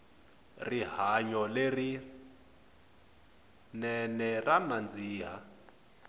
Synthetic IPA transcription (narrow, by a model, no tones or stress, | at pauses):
riɦaɲɔleri | nɛnɛranand͡ziːɦa